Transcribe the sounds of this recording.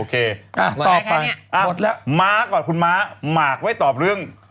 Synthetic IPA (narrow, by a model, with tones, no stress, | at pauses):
oː˧kʰeː˧a˧˩ɔː˨˩a˧jʔa˧o˨˩t̪̚lɛ˦˥maː˦˥kɔː˨˩nkʰu˧nmaː˦˥maː˨˩k̚wa˦˥˩jt̪ɔː˨˩p̚ɾɯ˥˩əŋ